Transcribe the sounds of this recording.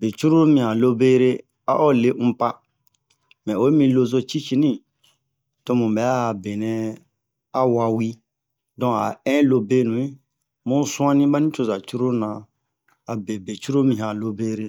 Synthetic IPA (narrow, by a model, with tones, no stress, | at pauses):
be˨t͡ʃu˦ɾo˦mĩ˨hã˨lo˦be˦ɾe˦ | a̰˦ʔɔ˦le˦ʔũ˦pa˦ | mɛ̃˨o˦mĩ˧lo˧zo˦t͡ʃi˦t͡ʃi˦nĩ˦ | to˦mũ˨bɛ˨˦a˦˨be˨nɛ̃˦ | a˦wa˧wi˦ | dɔ̃˨a̰˨ɛ̃˦lo˧be˦nũ˨i˦ | mũ˦sũ˦ã˦nĩ˦ba˦nĩ˦t͡ʃo˨za˨t͡ʃu˦ɾo˦nã˨ | a˨be˨be˨t͡ʃu˦ɾo˦mĩ˨ã˨lo˦be˦ɾe˦